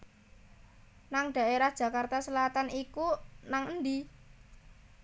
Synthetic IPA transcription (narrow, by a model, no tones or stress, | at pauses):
naŋɖ̥a̤ʔeɾahd̥ʒ̥ä̤kart̪asəlat̪anikunaŋənd̪i